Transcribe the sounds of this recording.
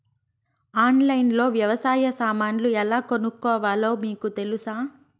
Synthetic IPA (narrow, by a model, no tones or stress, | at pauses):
aːnlɐjnlo̞ːʋjɐʋɐsaːjɐsaːmaːnluɛlaːkonukːɔːʋaːlo̞ːmiːkut̪e̞lusaː